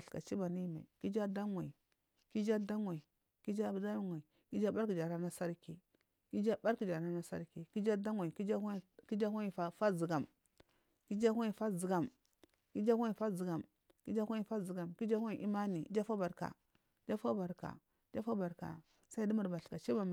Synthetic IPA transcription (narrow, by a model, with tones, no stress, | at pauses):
ɬka̰˨t͡ʃi˦ba˨ni˦ma̰˨i˨ki˦d͡ʒa˦da˦ŋa˨i˨ | ki˦d͡ʒa˦da˦ŋa˨i˨ | ki˦d͡ʒa˦˨bda˦jŋʷa˨i˨ | ki˦d͡ʒa˦ba˦ɾki˨d͡ʒa˨ɾa˦na˦sa˦ɾki˨ | ki˦d͡ʒa˦ba˦ɾki˨d͡ʒa˨ɾa˦na˦sa̰˦ɾki˨ki˦d͡ʒa˦da˦ŋa˨i˨ki˦d͡ʒa˦˨ki˦d͡ʒa˦a˦i˨fa˦fa˦zi˨ɡa˨m | ki˦d͡ʒa˦ha˦i˨fa˦zi˨ɡa˨m | ki˦d͡ʒa˦a˦i˨fa˦zi˨ɡa˨m | ki˦d͡ʒa˦a˦i˨fa˦zi˨ɡa˨mki˦d͡ʒa˦i˨ʔi˦ma˦ni˨˦d͡ʒa˦fa˦ba˨ɾka̰˨˦ | d͡ʒa˦fa˦ba˨ɾka̰˨˦ | d͡ʒa˦fa˦ba˨ɾka̰˨ | sa˦i˦di˦mu˨ɾba˨ɬka˨t͡ʃi˦ba˨m˨